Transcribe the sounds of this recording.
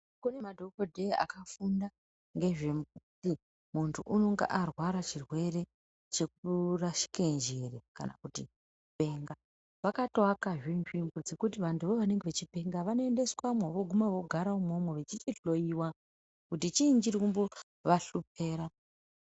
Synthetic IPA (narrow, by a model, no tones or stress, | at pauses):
kune̞madʱo̞kodʱea̰kafunda | ŋɡe̞ʐe̞mbud͡zi | muntʰuʔuno̞ŋɡḛʔarwaɾat͡ʃirwe̞re̞ | t͡ʃe̞k̚uraʃi̥kend͡ʒereka̰na̰kuti | pe̞ːŋɡa | ʋakatwakaʐinʐimbod͡ze̞kutiʋantʰuʋoʋane̞ŋɡeʋet͡ʃipe̞ŋɡaʋano̞ende̞swamwaʋo̞ɡʱumaʋo̞ɡʱaɾaumo̞mweʋet͡ʃit͡ʃiɬo̞iwa | kutit͡ʃiːnd͡ʒirkumbo̞ | ʋaɬup̚e̞ːɾa